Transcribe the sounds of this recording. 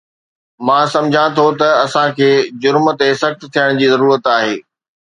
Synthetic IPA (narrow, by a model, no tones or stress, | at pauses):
mãːsɐ̃md͡ʑʱãt̪ʰot̪ɐɐsãkʰeːd͡ʑʊɾmt̪esɐxt̪t̪ʰijəɽ̃d͡ʑiːzɐɾuːɾət̪aːɦeː